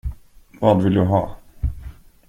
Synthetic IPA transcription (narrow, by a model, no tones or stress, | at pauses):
vɑːd̪vɪld̪ɵɦɑː